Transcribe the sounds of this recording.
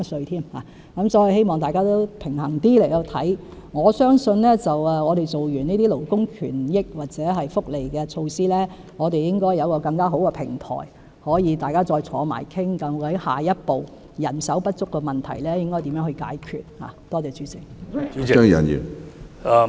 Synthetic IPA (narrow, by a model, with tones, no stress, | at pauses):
sɵ˧t̪ʰiː˥mha̰ː˨˩ | kɐ˨˥msɔː˨˥ji˨˧he˥jmɔː˨ŋt̪aː˨jkaː˥t̪o˥wpʰɪ˨˩ŋɦɐ˨˩ŋt̪iː˥le˨˩jkɐ˧wt̪ʰɐ˨˥j | ŋɔː˨˧sœː˥ŋsɵ˧nlɛː˥t͡sɐ˨wɛː˨ŋɔː˨˧ɾe˨jt͡so˨wjyː˨˩niː˥t̪iː˥lo˨˩wkʊ˥ŋkʰyː˨˩njɪ˥k̚waː˨˩t̚t͡sɛː˨˥ɦɐ˨jfʊ˥k̚le˨˩jkɛː˧t͡ʃʰo˧wsiː˥lɛː˥ | ŋɔː˨˧t̪e˨jjɪ˥ŋkɔː˥jːɐ˨˧wkɔː˧kɐ˧ŋkaː˥ɦo˨˥wkɛ˧pʰɪ˨˩ŋt̪ʰɔ̰ː˨˩j | hɔː˨˥jiː˨˧t̪aː˨jkaː˥t͡sɔː˧jt͡sʰɔ̰ː˨˧ma̰ː˨˩jkʰɪ˥ŋkɐ˨˥m˧ɐ˨˥jha̰ː˨jɐ˥t̚po˨˩w | jɐ˨˩nsɐ˨˥wpɐ˥t̚t͡ʃʊ˥kːɛː˧mɐ˨˩nt̪ʰɐ˨˩jlɛː˥jɪ˥ŋkɔː˥jt̪i˨˥mjœː˧˥ŋhɵ˧ka̰ː˨˥jkʰyː˨t̚ha̰ː˨t̪ɔː˥t͡sɛː˨˧t͡syː˨˥t͡sɪ˨˩ŋ˦œ˥˨ɐ̰˨njy̰˨˩n˧